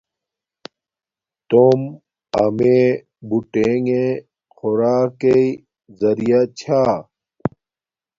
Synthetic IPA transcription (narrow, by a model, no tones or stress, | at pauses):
t̪om | ɐme | buʈeŋẽ | xoɾaːkei | zɐɾijat͡ɕʰaː